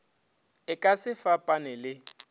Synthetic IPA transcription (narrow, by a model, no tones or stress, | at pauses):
ɪkʼasɪfapʼanɛlɪ